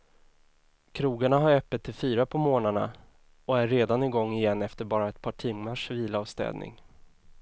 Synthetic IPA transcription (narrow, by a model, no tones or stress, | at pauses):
kʰɾuːɡaɳaɦaɾœpːət̪ʰːɪlfyːɾapʰɔmoːnaɳa̰ | ɔæɾːeːd̪anɪɡɔŋːɪjɛnːɛft̪əɾbɑːɾaɛt̪̚pʰɑːʈʰɪmːəʂviːlaːvst̪ɛ̰ːd̪nɪ̰ŋ